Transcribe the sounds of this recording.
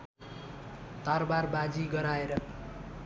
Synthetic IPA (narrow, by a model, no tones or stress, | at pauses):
t̪arbarbad͡ziɡʌɾaeɾʌ